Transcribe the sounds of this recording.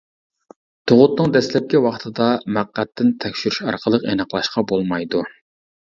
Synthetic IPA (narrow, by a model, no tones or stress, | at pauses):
t̪ʰoʁʊt̪nɨŋd̪ɛslɛp̚kʲɛwɑχt̪ʰɨd̪ɑmæqːæt̪ːɪnt̪ʰɛkʲʃyɾyʃɑ̰ɾqʰəlˠəqenəqlˠɑʃqɑbolˠmɑjd̪u